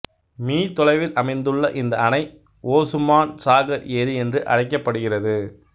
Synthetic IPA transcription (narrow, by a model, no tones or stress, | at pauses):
miːt̪ɔlɐɪʋɪlʔɐmɐɪnd̪ɯɭːɐʔɪnd̪ɐɐnɐɪ | ʔoːsʊmːaːnsaːɣɐɾeːðɯɛndrɯʔɐ̰ɽɐɪkːɐpːɐɽɯɣɪrɐðɯ